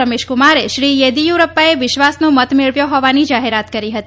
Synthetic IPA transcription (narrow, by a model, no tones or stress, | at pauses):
əmeʃkumaɾeʃɾijed̪ijuɾəpːaeʋɪʃʋasnũmət̪meɭʋjõɦɔʋanid͡ʒaɦeɾat̪kəɾiɦət̪i